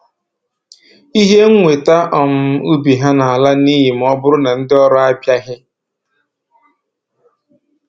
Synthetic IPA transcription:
i˦ɦe˦ŋ̩˦ŋʷe˨ta˦ʔɔ˨m̩˦u˦bi˨ɦa˦na˨a˨la˦ni˦ji˨m̩˦ɔ˦bʊ˦ɾʊ˦na˨n̩˦dɪ˦ɔ˦ɾɔ˦a˦pja˦ɦɪ˦

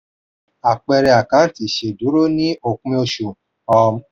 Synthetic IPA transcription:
a˨k͡pɛ˧ɾɛ˧a˨kã˨˦ti˨ʃe˨du˨˦ɾo˦nĩ˦o˨kũ˦ĩ˧o˧ʃo˨ | ɔ˧m˦

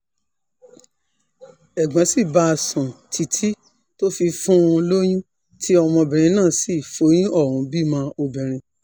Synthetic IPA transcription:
ɛ˨ɡ͡bã˨˦si˦˨ba˧˦˧sũ˨tʰi˨˧tʰi˦ | to˦fi˧fũ˦˧lo˦j̃ũ˦ | tʰi˦ɔ˧mɔ̃˧bɛ̃˨ɾ̃ĩ˧nãː˦˨˦si˦˨fo˨˦j̃ĩ˦ɔ˦˨ɾũ˨˦bi˦˨mã˧˦o˧bɛ̃˨ɾ̃ĩ˧

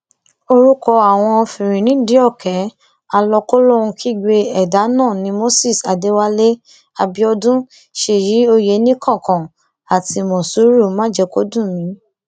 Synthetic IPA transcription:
o˧ɾu˦kɔ˧a˨w̃ɔ̃˧fĩ˨ɾ̃ĩ˨nĩ˨˦di˦ɔ˦˨kɛ˨˦ | a˧lɔ˧ko˦lo˦ũ˧kʰi˦˨ɡ͡be˧ɛ˨da˨˦nãː˦˨nĩ˧˦mo˦si˦˨sa˨de˨˦wa˦le˦ | a˧bi˧˦ɔ˧dũ˦ | ʃe˨ji˨˦o˧je˨˦nĩ˦kʰã˦˨kã˨ | a˨ti˧mɔ̃˨su˨˦ɾu˦˨mã˦d͡ʒɛ˧ko˦dũ˦˨mĩ˨˦

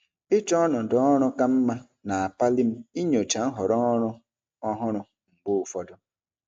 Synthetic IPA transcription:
ɪ˦t͡ʃɔ˦nʊ˨dɔ˨˦ɔ˦ɾʊ˦ka˦m̩˦ma˦ | na˨a˨pa˦li˦m̩˦i˦ɲo˨t͡ʃa˨n̩˦ɦɔ˨ɾɔ˦ɾʊ˦ | ɔ˦ɦʊ˦ɾʊ˨ | ŋ̩˨ɡ͡bo˦ʊ˨fɔ˦dʊ˦

